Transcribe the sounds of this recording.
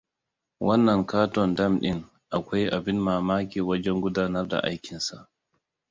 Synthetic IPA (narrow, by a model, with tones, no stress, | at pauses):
wʔɐ˦nːɐ˨ŋkaː˦tɔ˨ndɐ˦mɗɪ̰˦n | ʔa˨kʷa˦jʔa˨bi˦nmaː˨maː˦kʲeː˨wɐ˦d͡ʒɛ˦ŋɡʷʊ˦daː˦nɐ˦rda̰˨ʔa̰˦jkʲi˨nsa˨ʔ